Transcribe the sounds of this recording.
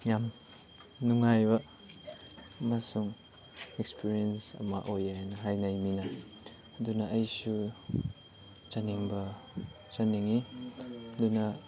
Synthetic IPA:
jam | nuŋajbɐ | masuŋ | ɛkspiɾiensɐ̰mɐ̰ʔojaɦajnɐɦajnajmina | ɐdunɐʔɐjsu | t͡ʃɐniŋbɐ | t͡ʃɐniŋi | ɐd̪unɐ

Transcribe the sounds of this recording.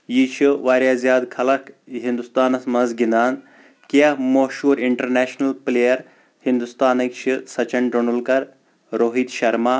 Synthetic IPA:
jiːt͡ʃʰiʋaːɾjaːzjaːd̪kʰɐlɐkɦind̪ust̪aːnɐsmɐnzɡind̪aːn | kiɐmoːʃuːɾiɳʈɐɾneːʃnɐlpleːjɐɾ | hind̪ust̪aːnɐkt͡ʃʰisɐt͡ʃɐɳɖonulkɐɾ | ɾoːɦiːd̪ʃɐɾmaː

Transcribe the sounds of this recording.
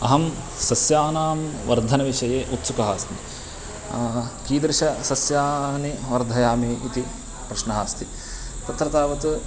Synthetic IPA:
ɐ̰ɦɐm | sɐsjaːnaːmʋɐɾd̪ʱɐnɐʋiʂɐjeːʔut̪sukɐɦaːsnḭ | kiːd̪ɾɪʃɐsɐsjaːniʋɐɾd̪ʱɐjaːmeːit̪i | pɾɐʃnɐɦaːst̪ʰi | t̪ɐt̪ɾɐt̪aːʋɐt̪u

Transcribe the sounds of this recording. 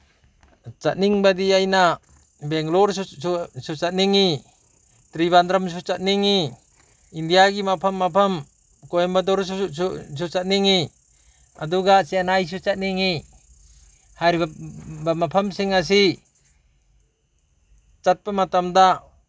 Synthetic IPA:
t͡ʃat̚niŋbad̪iajna | bɛŋlɔɾsut͡ʃat̚niŋi | t̪ɾiβand̪ɾamsut͡ʃat̪̚niŋi | indijaɡimapʰamːapʰɐm | kojmbad̪ɔɾ | s̬ut͡ʃat̚niŋi | ad̪uɡasianajs̬ut͡ʃat̚niŋi | haɾbamapʰamsiŋas̬i | t͡ʃat̪̚pamat̪amd̪a

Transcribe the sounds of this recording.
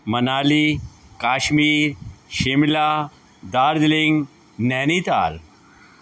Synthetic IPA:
mɐnaːlikaːʃmiːɾʃɪmlaː | d̪aːɾd̪lɪŋɡ | nɛːniːt̪a̰ːl

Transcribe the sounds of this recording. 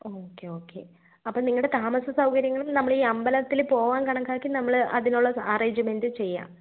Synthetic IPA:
oːkːeo̞ːkːe̞̰ | ɐpːoːniŋːɐɭuɽe̞t̪aːmɐsɐsɐwkɐɾjɐŋːɐɭumnɐmːɐɭiːɐmbɐlɐt̪ːilpo̞ːʋaːnkɐɳɐkːaːkːinɐmːɐɭʔɐ̰ðinuɭːɐaːreːɲd͡ʑɨme̞ndɨt͡ɕe̞jːa̰ː

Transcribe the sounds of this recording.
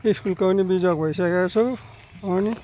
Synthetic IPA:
iskulkʌnibid͡zʌk̚bʱʌjsakat͡sʰu | ʌni

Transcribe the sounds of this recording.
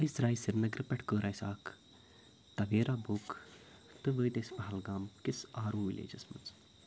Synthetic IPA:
əjsɾaːjsiɾnɐɡɾɨpɐʈʰkoːɾʔaːjsaːk | t̪ɐʋeːɾaːbukt̪ɨʋəːjt̪esbɐɦɐlɡaːmkisaːɾuːʋḭlḛːd͡ʒɐsmɐ̰nz

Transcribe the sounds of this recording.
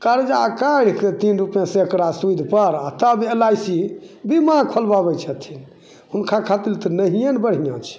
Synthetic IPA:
kaɾd͡ʒaəkaɽ̤ket̪inɾupjẽsẽekɾasuid̪ʱpəɾat̪əbelajsibimãkʰəlbabɛt͡ʃʰət̪ʰin | unkʰakʰat̪ilt̪ɔnəɦijenbəɽ̤ijãt͡ʃʰɛ̥

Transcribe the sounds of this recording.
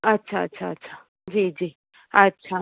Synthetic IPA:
ɐtːʃʰaɐ̰tːʃʰaɐ̰tːʃʰa | d͡ʒiːd͡ʑiː | ɐtːʃʰa

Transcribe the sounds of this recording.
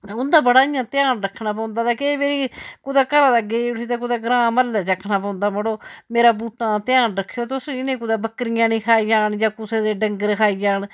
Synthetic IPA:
ʊnd̪aːbəɽaːɪjãːt̪ɪjaːnɾəkʰːnaːp̬ɔ̃ːnd̪aːt̪aːkeːmeːɾiːkʊd̪aːkəɾaːd̪ɡeːɽiːt̪aːk̬ʊd̪aːɡɾãːməlːɛːt͡ʃəkʰːnaːpɔ̃ːʊnd̪aːməɽoːmeːɾaːbuːʈãːt̪ɪãːnɾəkʰːejoːt̪ʊsɪnẽːkʊd̪aːbəkɾɪjãːnĩːkʰaːid͡ʒaːɳjãːkʊseːd̪eːɖəŋɡəɾkʰaːiːd͡ʒaːɳ

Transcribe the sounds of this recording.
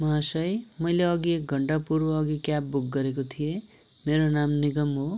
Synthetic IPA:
mʌɦasʌjmʌjleʌɡiek̚ɡʱʌɳɖapurbʌʌɡikjap̚buk̚ɡʌɾekot̪ʰije | meɾonamniɡʌmɦo

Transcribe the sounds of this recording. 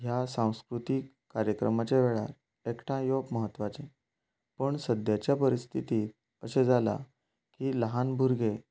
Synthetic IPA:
ɦjasãw̃skɾut̪ikːaɾjəkɾə̰mat͡ɕeʋeɭa̰ɾ | ekʈʰãjokməɦət̪ːʋat͡sẽ | pəɳsəd̪jat͡ɕjapəɾist̪ʰit̪iːt̪̚ | əsed͡zʱala̰ | kiːləɦanbʱuɾɡe

